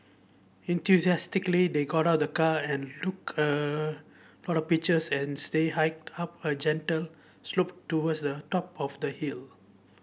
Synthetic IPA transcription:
ɛ̃nt̪ʰjusiɛstiklid̪eɡɔɾawt̚dəkaɛ̃nlukə | lɔɾɔfpit͡ʃəsɛ̃nsd̪eɦaɪk̚tʰapəd͡ʒɛ̃ntəl | slop̚tːuwədsd̪ətɔpɔfd̪əhil

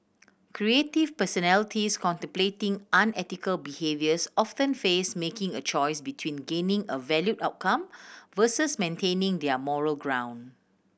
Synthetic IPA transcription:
kʰɹietivpəsɔnɛlɪtʰiskʰɔ̃ntɛ̃mpletɪ̃ŋʔãnɛtikəlbihevjəsɔftə̃nfesmekɪ̃ŋət͡ʃɔjsbitʰwĩnɡẽnĩŋəvɛljutaʊt̚kʰãmvəsəsmẽntʰẽnɪ̃ŋdɛəmɔɹəlɡɹãw̃n

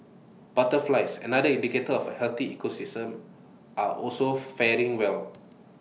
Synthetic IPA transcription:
b̥atəflaɪsɛ̰̃nadəĩndiketəɔfəhɛlt̪iikosistə̃m | ʔaʔɔ̰lsofɛɹĩŋwɛl

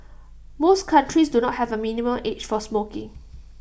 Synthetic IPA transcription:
moskʰãntɹisdunɔt̚hɛvəminimə̃met͡ʃfɔsmokɪ̰̃ŋ

